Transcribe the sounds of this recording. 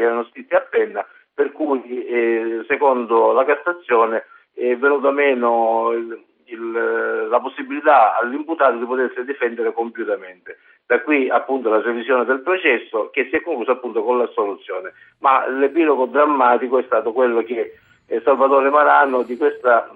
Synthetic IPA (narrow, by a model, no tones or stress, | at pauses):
ɛːɾanost̪it̪ːiapːɛnːa | perkuː | sekond̪olakasːat̪sːjɔːnɪ | ɛvːenuːt̪amɛːno | ilːaposːibilit̪aa̰lːimput̪aːt̪od̪ipot̪esːɪd̪ifɛnd̪eɾekompjut̪ament̪e | d̪̥akwiapːunt̪olapɾevisjɔːned̪elpɾot͡ʃɛsːok̟esːiɛkːoŋkluːsapːunt̪okonlasolut̪sːjɔːne | malepilɔɡod̪ɾamːaːt̪ikoɛst̪aːt̪okwelːok̟e | salvat̪oːɾemaɾanod̪ikwest̪a